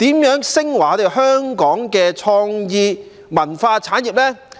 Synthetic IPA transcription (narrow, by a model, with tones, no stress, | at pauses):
t̪iː˨˥mjœː˨˥ŋsɪ˥ŋwaː˨˧t̪e˨wɦœː˥ŋkɔː˨˥ŋkɛː˧t͡ʃʰɔː˧ŋjiː˧ | mɐ˨˩nfaː˧t͡sʰaː˨˥nji˨˩p̚lɛː˥